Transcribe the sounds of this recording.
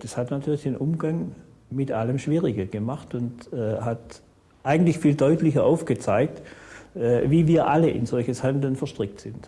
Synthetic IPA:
d̥ashatnatʰyːɐlɪçd̥enʔʊmɡaŋ | mɪtʔaləmʃv̥iːʁɪɡəɡ̥əmaχtʊntɛɦat | ʔaɪɡŋ̩tlɪçfiːldɔʏtlɪçɐʔaʊfɡ̥ət͡saɪk̚tɛviːviːɐʔaləʔɪ̰nzɔlçəshandl̩nfɛɐʃtʁ̥ɪk̚tz̥ɪnt

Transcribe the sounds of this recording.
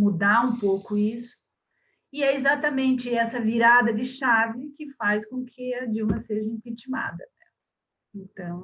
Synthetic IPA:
mud̪aũpowkʊisʊ̥ | ɪɛɪzat̪ɐmẽnt͡ʃɪɛsɐviɾad̪ɐd̪ɪʃavɪkɪfajskõkʰɪɐd͡ʒimɐseʒɐĩpit͡ʃima̰d̪ɐ̰nɛ̰ | ẽnt̪ɐ̃w̃

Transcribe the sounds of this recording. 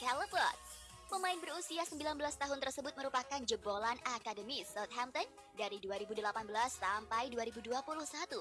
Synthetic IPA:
kaləpərt̪̚ | pəmaɪnbəɾusiasəmbilanbəlast̪aɦʊnt̪ərsəbʊt̪̚məɾupakand͡ʒəbolanakadəmisɔt̪̚ɦamt̪ən | daɾiduaɾibudəlapanbəlasːampajduaɾibuduapuluhsat̪u

